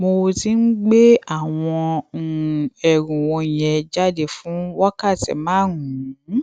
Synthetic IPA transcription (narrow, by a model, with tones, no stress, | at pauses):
mo˧ti˧˦n̩˦ɡ͡be˦a˦˨w̃ɔ̃˧˨ | ɛ˨ɾũ˨wɔ̃˧jɛ̃˧d͡ʒa˦de˧fũ˨˦wa˦ka˦˨tḭ˨mãː˨˦˨ũ˨˦